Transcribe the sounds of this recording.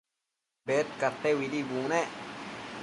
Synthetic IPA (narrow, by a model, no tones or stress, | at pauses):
bet̪̚kat̪ewid̪ibune